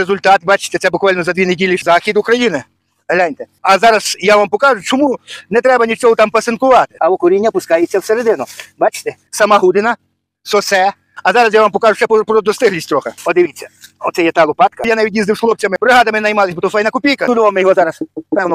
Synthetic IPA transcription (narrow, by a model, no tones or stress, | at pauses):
ɾezʊlʲt̪ɑt̪bɑt͡ʃɪ̥t̪ɛsɛbʊkʋɑlʲnɔzɐd̪ʋʲinedʲilʲizɑxʲid̪ʊkɾɐjinɪ | ɐlʲanʲt̪ɛɐzɑɾɐsjaʋampɔkɑʒʊt͡ʃɔmunɛt̪ɾɛbɐnʲit͡ʃɔɦɔt̪ɑmpɐsenkʊʋɑt̪ɪ̥ɐɔkɔɾʲinʲːɐpʊskɑjet͡sʲːɐwseɾed̪ɪnʊbɑt͡ʃɪ̥t̪ɛ | sɐmɑɦud̪ɪnɐ | sɔsɛ | ɐzɑɾɐsjaʋampɔkɑʒʊʃɛpɔpɾɔd̪ɔst̪ɪɦlʲisʲtʲt̪ɾɔxeɔd̪ɪʋʲit͡sʲːɐɔt̪sɛjɛt̪ɑlˠʊpɑt̪kɐjanɑʋʲitʲjizd̪ɪwʃxlˠɔp̚t͡sʲɐmɪpɾɪɦɑd̪ɐmɪnɐjmɑlˠɪsʲbɔt̪ɔfɑjnɐkʊpʲijkɐʊd̪uʋɐmejɔɦɔzɑɾɐspɛwnɔ